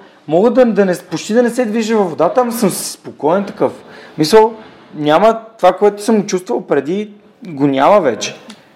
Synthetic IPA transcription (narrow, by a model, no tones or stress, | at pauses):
mɔɡəd̪ɐd̪ɐnɛpot͡ʃt̪id̪ɐnɛsɛd̪viʒəvɐvod̪at̪əɐmɐsɤmsspokɔɛnt̪ɐkɤfmisəlˠ | nʲamət̪ovakoɛt̪ʊ̥sɤmɡot͡ʃust̪vəlˠpɾɛd̪i | ɡonʲaməvɛt͡ʃɛ̥